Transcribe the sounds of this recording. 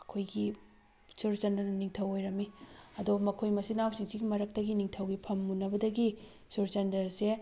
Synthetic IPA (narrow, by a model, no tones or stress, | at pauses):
ɐkʰojɡi | suɾt͡ʃɐndɐnɐniŋtʰɐwojɾɐmiɐdomɐkʰojmɐsinawsiŋsiɡimɐɾɐk̚tɐɡiniŋtʰɐwɡipʰɐmːunɐbɐdɐɡi | suɾt͡ʃɐndɐse